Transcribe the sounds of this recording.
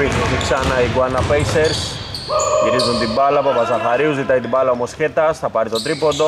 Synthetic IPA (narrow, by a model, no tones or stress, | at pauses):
it̪oθiksɐnɐiɡwɐnɐpejseɾs | jiɾizunt̪imbɐlɐpɐpɐzɐθɐɾiuzit̪ɐjt̪ibalɐomosçet̪ɐsθɐpɐɾit̪ot̪ɾipod̪o